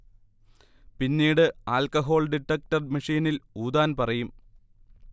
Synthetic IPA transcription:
pinːiːɽɨaːlkɐɦo̞ːɭɖiʈːɐk̚ʈɐrmɐʂiːniluːd̪aːnpɐrɐjum

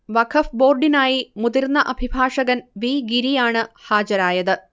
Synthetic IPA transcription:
ʋɐkʰɐfbo̞ːrɖinaːjimud̪iɾnːɐʔɐbʱibʱaːʂɐɣɐnʋiːɡiɾijaːɳɨhaːd͡ʑɐɾaːjɐðɨ

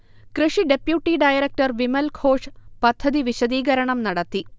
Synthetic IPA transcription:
krɨʂiɖe̞pjuʈːiɖɐjɐɾɐk̚ʈɐrʋimɐlkʰo̞ːʂpɐd̪ʱːɐðiʋiɕɐd̪iːɡɐɾɐɳɐmnɐɽɐt̪ːi

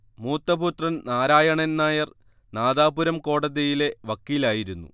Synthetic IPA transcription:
muːt̪ːɐbut̪rɐnnaːɾaːjɐɳennːaːjɐr | naːðaːbuɾɐmko̞ːɽɐðɐjile̞ʋɐkːiːlaːjiɾunːṵ

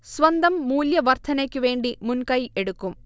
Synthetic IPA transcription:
sʋɐnd̪ɐmːuːljɐʋɐɾt̪ʰɐneːkːuʋe̞ːɳɖimunkɐjeɽukːum

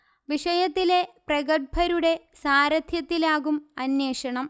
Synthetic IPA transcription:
ʋiʂɐjɐt̪ːile̞prɐɣɐʈ̚bʱɐɾuɽe̞ | saːɾɐd̪ʱjɐt̪ːilaːɣumɐnjeːʂɐɳɐm

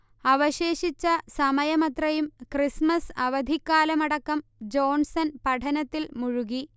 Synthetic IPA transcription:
ɐʋɐɕe̞ːɕit͡ɕːɐsɐmɐjɐmɐt̪rɐjumkrismɐsɐʋɐd̪ʱikːaːlɐmɐɽɐkːɐmd͡ʑo̞ːnsɐnpɐʈʰɐnɐt̪ːilmuɻuɣi

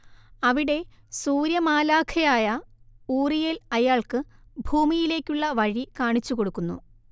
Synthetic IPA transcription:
ɐʋiɽe̞ | suːɾjɐmaːlaːkʰɐjaːjɐuːrijelɐjaːɭkɨbʱuːmijile̞ːkʲːuɭːɐʋɐɻikaːɳit͡ɕːuko̞ɽukːunːṵ

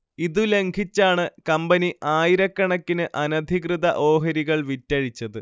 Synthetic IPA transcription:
iðule̞ŋɡʱit͡ɕːaːɳɨkɐmbɐniʔaːjiɾɐkːɐɳɐkːinɨʔɐnɐd̪ʱikrɨðɐʔo̞ːɦɐɾiɣɐɭʋitːɐɻit͡ɕːɐðɨ

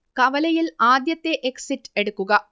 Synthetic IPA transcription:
kɐʋɐlɐjɪlaːd̪jɐt̪ːeʔɛksɪʈɛɽɯkːɯɣɐ

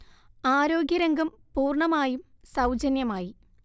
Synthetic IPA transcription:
aːɾo̞ːɡʲjɐɾɐŋɡɐm | puːrɳɐmaːjum | sɐwd͡ʑɐnjɐmaːji

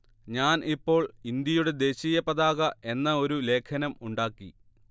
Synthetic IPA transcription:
ɲaːnipːo̞ːɭind̪jɐjuɽe̞d̪e̞ːɕijɐpːɐðaːɣɐʔe̞nːɐo̞ɾule̞ːkʰɐnɐmuɳɖaːkːi

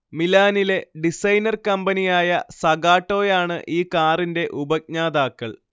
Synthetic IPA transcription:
milaːnile̞ɖisɐjnɐrkɐmbɐnijaːjɐsɐɡaːʈːo̞ːjaːɳɨʔiːkaːrinde̞ʔubɐk̚ɲaːd̪aːkːɐɭ

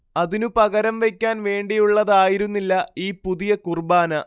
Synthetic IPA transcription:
ɐðinupɐɣɐɾɐmʋe̞kʲːaːnʋe̞ːɳɖijuɭːɐðaːjiɾunːilːɐiːpuðijɐkurbaːnɐ

